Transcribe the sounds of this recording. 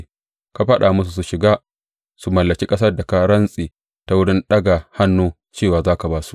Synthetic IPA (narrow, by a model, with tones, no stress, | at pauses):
ka˨ɸɐ˦ɗa˨mʊ˦s̬u˨s̬u˨ʃɪ˨ɡaː˦ | su˨mɐ˨lːɐ˨kʲi˦kʼɐ˦s̬ɐ˦rda˨ka˦ɽɐ˦nsʼiː˨ | ta˦wʊ˦ɽɪ˦nɗɐ˦ɡa˨ha˦nːuː˦ | t͡ʃeː˦˨waː˨zaː˦ka˨baː˦su̥˨ʔ